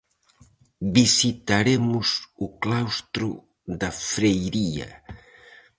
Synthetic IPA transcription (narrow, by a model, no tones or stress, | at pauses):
bisit̪aɾemʊzuklawst̪ɾu | ðɐfɾejɾiɐ̰